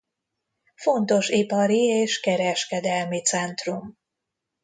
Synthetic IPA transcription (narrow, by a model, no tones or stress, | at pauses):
fo̞nt̪o̞ʃipɒɾieːʃkɛɾɛʃkɛd̪ɛlmit̪sɛnt̪rum